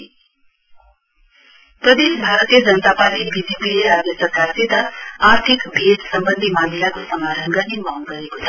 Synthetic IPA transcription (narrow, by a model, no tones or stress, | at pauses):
pɾəd̪eʃbʱaɾət̪jed͡zʌnət̪apaɾʈibid͡ʒepileɾad̪jəsəɾkaɾsit̪aaɾt̪ʰikbʱeɖsəmbənd̪ʱimanijakosəmaɾəŋɡʌnimaŋɡʌɾekot͡sʰa